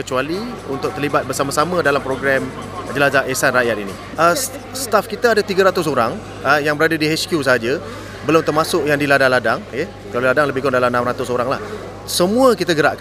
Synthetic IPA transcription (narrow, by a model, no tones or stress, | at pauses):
kət͡ʃualiunt̪ʊk̚t̪ərlibat̪̚bərsamãsamãdalampɾoɡɾɛm | d͡ʒəlazaesanraʔjat̪inḭ | ʔə | st̪afkit̪aːdat̪iɡaɾat̪ʊs̬oɾaŋ | əjaŋbəɾadadiɦɛskjusaɦad͡ʒə | bəlʊmt̪ərmasʊʔjaŋdiladaŋladaŋke | kaloladaŋləbɪhɡɔndalamnãmrat̪ʊsoɾaŋla̰h | səmũəkit̪aɡəɾaʔkan